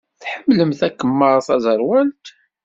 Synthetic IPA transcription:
θħəmːləmθækːəmːəɾˤθæzˤəɾˤwælt̪

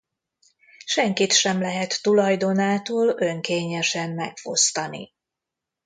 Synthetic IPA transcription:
ʃɛŋkit̪ʃɛmlɛɦɛt̪ːulɒjd̪o̞naːt̪oːlø̞ŋkeːɲɛʃɛmːɛkfost̪ɒnḭ

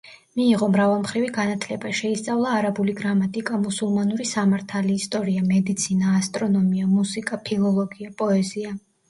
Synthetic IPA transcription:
miːʁɔmɾavalˠmχɾiviɡanat̪ʰlɛbaʃɛist̪sʼavlˠaːɾabuliɡɾamat̪ʼikʼamusulˠmanuɾisamaɾt̪ʰaliːst̪ʼɔɾiamɛd̪it̪sʰinaːst̪ʼɾɔnɔmiamusikʼapʰilˠɔlˠɔɡiapʼɔɛzia

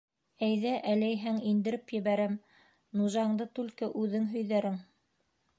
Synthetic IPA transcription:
æjðæʔælæjɦæŋind̪ɘ̆ɾɘpjɘ̆βæɾæm | nuʒɑɴd̪ɤt̪ʉlkɘʔʉðɘŋɦɵ̆jðæɾɘŋ

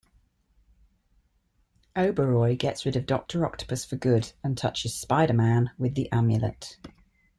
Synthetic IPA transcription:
ʔəʊbəɹɔɪɡɛtsɹɪdəvdɒ̰k̚tʰəɹɒ̰k̚tʰə̥pʰəsfəɡʊdə̃ntʰʌt͡ʃɪz̥spaɪɾəmãnwɪðiʔãmjə̰lə̰t

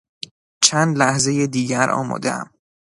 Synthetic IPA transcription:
t͡ʃʰænd̪læhze̞jed̪iːɟæɾʔɒ̰ːmɒ̰ːd̪eæ̰m

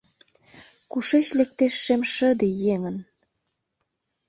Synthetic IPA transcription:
kuʃet͡ɕlek̚t̪eʃːemʃə̆d̪ejeŋən

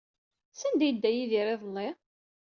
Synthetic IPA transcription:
sænd̪æjəd̪ːæjiðiɾeðˤnːi

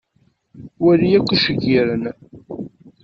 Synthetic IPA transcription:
wælijækʷːəʃəɡiɾən

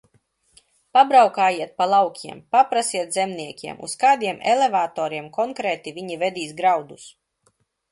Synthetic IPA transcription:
pabɾawkaːjiɛt̪̚palˠawkʲʰiɛmpapɾasiɛt̪zɛmniɛkʲiɛmʔṵskaːd̪iɛmʔelevaːt̪ɔːɾiɛmkɔŋkɾɛːt̪ivʲiɲivɛd̪iːsɡɾawd̪us

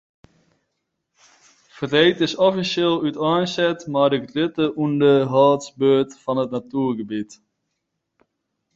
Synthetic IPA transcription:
fərejtɪsɔfiseːlˠytɑːnsɛtmaːdəɡrɪtəʔundəɦɑːtsbøːtfɑnətnatyːɹɡəbit

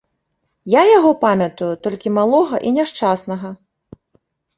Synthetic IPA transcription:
jajaɣɔpamʲɐt̪ujut̪ɔlʲkʲimalˠɔɣɐʔinʲaʂt͡ʂasnɐɣɐ

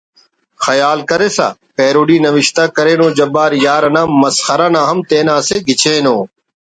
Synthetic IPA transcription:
xəjaːlkəɾeːsa̰ː | peːɾoːɖiːnəʋɪʃt̪aːkəɾeːnõːd͡ʒəbaːɾjaːɾənãːməsxəɾaːnãːɦəmt̪eːnãːseːɡʱɪt͡ʃʰẽːnoː

